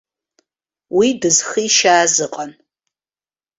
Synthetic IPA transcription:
widɨzχiʃaːzɨqʼan

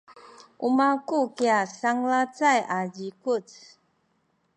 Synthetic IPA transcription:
umakukiasaŋlat͡sajʔad͡ʒikut

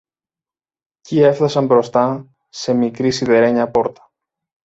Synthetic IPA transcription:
ciefθɐsɐmbɾo̞st̪ɐ | se̞mikɾisiðe̞ɾe̞ɲɐpo̞ɾt̪ɐ̥

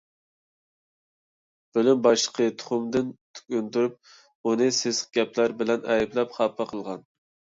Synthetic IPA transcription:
b̥ølymbɑʃəqʰət̪ʰʊ̥χʊmd̪ɨnt̪ʰy̥kʲynt̪uɾyp̚ | unɨsezqɡʲɛplæɾbɪlɛnɛjiblɛpχɑpʰːɑqʰəlˠʁɑn

